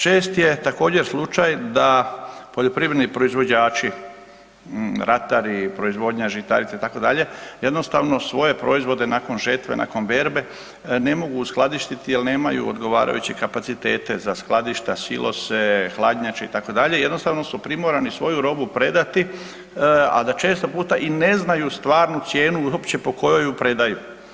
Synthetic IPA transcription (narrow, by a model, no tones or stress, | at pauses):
t͡ʃe̞ːst̪je̞t̪ako̞ːd͡ʑe̞ɾslˠut͡ʃajd̪apo̞ʎo̞pɾiːʋɾenipɾo̞izʋo̞d͡ʑaːt͡ʃi | ɾat̪aɾipɾo̞izʋo̞d̪ɲaʒit̪a̰ɾit̪sait̪ako̞d̪aʎe̞je̞d̪no̞st̪aʋno̞sʋo̞je̞pɾo̞izʋo̞d̪e̞naːko̞nʒəɾt̪ʋḛnʔa̰ːko̞nʋe̞ɾbe̞ | ne̞mo̞ɡusklˠad̪iʃt̪it̪ijelneːmajṵo̰d̪ɡo̞ʋa̰ːɾa̰jut͡ɕekapat̪sit̪e̞̰ːt̪e̞zasklˠad̪iʃt̪asḭlʔo̞̰sexlˠad̪ɲat͡ʃeit̪ako̞d̪aʎe̞jed̪no̞st̪aʋno̞supɾimoɾanisʋo̞juɾo̞bupɾe̞d̪at̪i | a̰d̪at͡ʃe̞ːst̪opuːt̪aʔine̞znajust̪ʋaːɾnut̪sje̞ːnuuopt͡ɕe̞po̞ko̞jojupɾe̞d̪aju